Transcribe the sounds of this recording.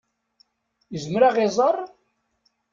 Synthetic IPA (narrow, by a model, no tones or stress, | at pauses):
jəzəmɾaʁezˤɑrˤ